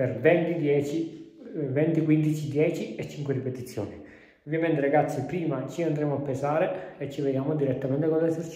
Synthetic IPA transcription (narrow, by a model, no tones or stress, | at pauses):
peɾvɛnt̪id̪jɛt͡ʃi | vɛnt̪ikwind̪it͡ʃid̪jɛːt͡ʃiɛt͡ʃːiŋkweripet̪it̪sːjɔ̰ːni | ovjament̪eɾaɡat̪sːipɾiːmat͡ʃiand̪ɾɛmoapːesaːɾeːt͡ʃːived̪jaːmod̪iɾɛt̪ːamɛnt̪ekonɛseɾt͡ʃ